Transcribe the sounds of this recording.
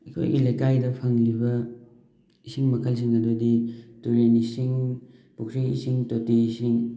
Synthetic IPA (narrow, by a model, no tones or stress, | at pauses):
ɐkʰo̰jḭlejkajdɐpʰɐŋlibɐ | isiŋmɐkʰɐls̬iŋɐdodituɾenisiŋ | puk̚siḭsiŋtotisiŋ